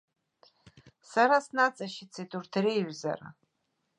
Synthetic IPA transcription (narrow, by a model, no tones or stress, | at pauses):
saɾasnat͡sʼaʃit͡sʰidurtʰrejʒʷza̰ra̰